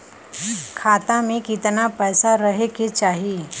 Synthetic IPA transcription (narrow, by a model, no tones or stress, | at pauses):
kʰaːt̪amẽkɪt̪napɛːsaɾɐɦeket͡ʃaːɦiː